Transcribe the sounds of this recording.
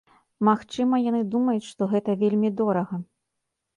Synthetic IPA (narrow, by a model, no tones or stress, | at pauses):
maxt͡ʂɨmɐjanɨd̪umɐjut͡sʲʂt̪ɔɣɛt̪ɐvʲelʲmʲid̪ɔɾɐɣɐ